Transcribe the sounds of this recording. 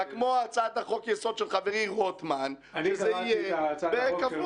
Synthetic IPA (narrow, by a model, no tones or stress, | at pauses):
akmoat͡sad̪aχokjeso̞dʃelχaveʁiʁot̪man | ʃezeijeveka